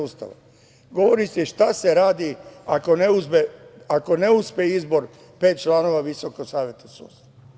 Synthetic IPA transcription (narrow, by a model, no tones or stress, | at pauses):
uːst̪a̰ʋa̰ | ɡo̞ʋo̞ɾisiʃt̪ase̞ɾaːd̪iako̞neuspe | ako̞ne̞uspeizbo̞ɾ | pe̞ːt̪̚t͡ʃlˠaːno̞ʋaʋisokoɡsaːʋje̞t̪asṵːst̪aaa